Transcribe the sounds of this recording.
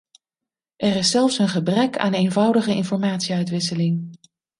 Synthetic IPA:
ʔɛrɪsːɛlˠfsənχəbrɛkʰa̰ːnejnvʌwdəχəɪnfɔɹmaːtsiœɥtʋɪsəlɪŋ

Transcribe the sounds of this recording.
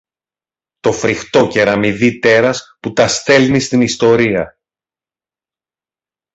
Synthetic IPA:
t̪o̞fɾixt̪o̞ce̞ɾɐmiðit̪e̞ɾɐsput̪ɐst̪e̞lnist̪inist̪o̞ɾiɐ

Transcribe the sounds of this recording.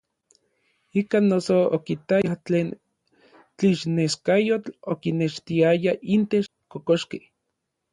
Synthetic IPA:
ikaːnːosookit̪aat͡ɬeːn | t͡ɬiʃneskajot͡ɬokineʃt̪iajaint̪et͡ʃkokoʃke

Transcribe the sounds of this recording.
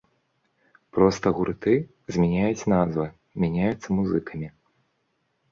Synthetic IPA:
pɾɔst̪ɐɣuɾɨt̪ɨ | zʲmʲɛnʲajut͡sʲnazvɨ | mʲanʲajut̪sːɐmuzɨkʰɐmʲi

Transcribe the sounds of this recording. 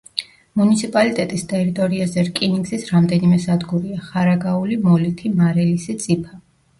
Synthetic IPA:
munit̪sʰipʼalit̪ʼɛt̪ʼist̪ʼɛɾit̪ʼɔɾiazɛɾkʼiniɡzisɾamd̪ɛnimɛsad̪ɡuɾiaχaɾaɡaulimɔlit̪ʰimaɾɛlisit̪sʼipʰa

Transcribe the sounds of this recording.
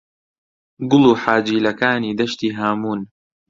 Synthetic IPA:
ɡʊlˠuːħaːd͡ʒiːlɐkaːniːd̪ɐʃt̪iːɦaːmuːn

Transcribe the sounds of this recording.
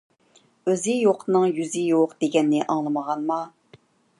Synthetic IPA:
øzɪjoqʰnɨŋjyzɪjoqd̪̥eɡʲɛnːɪʔɑŋlˠɨməʁɑnmɑ

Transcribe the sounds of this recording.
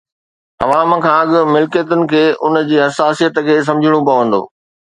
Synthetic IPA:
ɐʋaːmkʰãːɐɠʊ̆mɪlkijət̪ʊnɪ̆kʰeːʔʊn̆d͡ʑiːɦɐsaːsijət̪kʰeːs̬ɐ̃md͡ʑʱɪɽ̃opɐʋə̃nd̪o̰ː

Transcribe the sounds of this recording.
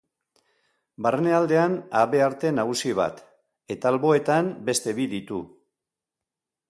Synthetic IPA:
barene̞ald̪e̞anaβe̞aɾt̪e̞naɣusiβ̞a̰t̪ | e̞t̪aalβo̞e̞t̪ambe̞st̪e̞βiðit̪ṵ

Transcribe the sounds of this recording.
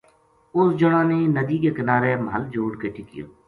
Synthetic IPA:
ʊsd͡ʒʊɽãːnenəd̪iːkeːkɪnaːɾeməɦəld͡ʒoːɽkeːʈʰɪkɪjo̰ː

